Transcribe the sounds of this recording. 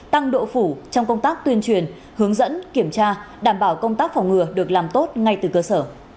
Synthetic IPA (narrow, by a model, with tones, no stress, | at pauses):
t̪a˧ŋɗo̰˧˨fu˧˩t͡ɕɔ˧wŋ͡mkə˧wŋ͡mt̪aː˦˥k̚t̪wi˧ənt͡ɕwi˨˩ən | hɨ˨˦əŋzə̰˧˥nki˧˩əmt͡ɕaː˧ɗaː˧˩mɓaː˧˩wkə˧wŋ͡mt̪aː˦˥k̚fɔ˨˩wŋ͡mŋɨ˨˩əɗɨ˨˩ək̚laː˨˩mt̪o˦˥t̚ŋa˧jt̪ɨ˨˩kəː˧səː˧˩